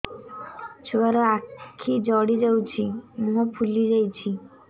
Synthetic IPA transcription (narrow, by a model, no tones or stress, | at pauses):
t͡ʃʰobaɾɔakkʰid͡ʒɔɽid͡ʒawt͡ɕʰimũɦɔpʰulid͡ʒajt͡ɕʰi